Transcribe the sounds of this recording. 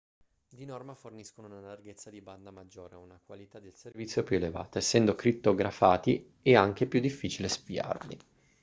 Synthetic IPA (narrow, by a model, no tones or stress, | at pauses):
d̪inɔrmaforniskonounalarɡet̪sːad̪iband̪amad͡ʒːoːɾeunakwalit̪ad̪elservit̪sːjopjueleva̰ːt̪aesːɛnd̪okɾipt̪ːoɡɾafaːt̪i | ɛaŋk̟epjud̪ːifːit͡ʃilespia̰rlḭ